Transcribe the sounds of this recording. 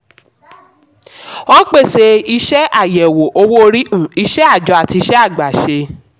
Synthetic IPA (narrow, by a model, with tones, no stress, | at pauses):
ɔ̃˦k͡pe˦˨se˧i˧ʃɛ˦ʔa˦˨jɛ˨wo˨ʔo˧wo˦o˧ɾi˦ʔũ˦˨i˧ʃɛ˦a˦˨d͡ʒɔ˨˧˦a˦˨ti˧ʃɛ˦a˦˨ɡ͡ba˨ʃe˧